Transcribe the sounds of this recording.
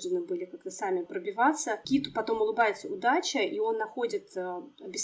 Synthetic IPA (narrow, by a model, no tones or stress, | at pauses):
d̪ənɨbɨlʲɪkakt̪əsamʲɪpɾəbʲɪvat̪sːəkʲit̪ʊ̥pɐt̪o̞mʊlˠɨbajɪt̪səʊd̪at͡ɕɪʔio̞nːɐxo̞dʲɪt̪ːɐbʲɪs